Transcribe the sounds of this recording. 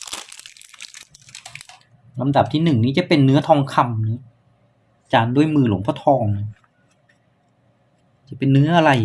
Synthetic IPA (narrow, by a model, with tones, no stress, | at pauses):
la˧mda˨˩p̚t̪ʰiː˧˩nɯ˨˩ŋniː˦˥t͡ɕa˨˩pe˧nːɯ˦˥ɐt̪ʰɔː˧ŋkʰa˧mniː˦˥ | t͡ɕaː˧ndu˥˩əjmɯː˧lo̰˩˦ŋpʰɔː˧˦t̪ʰɔː˧ŋ | t͡ɕa˨˩pe˧nːɯ˦˥ɐʔa˧ɾa˧j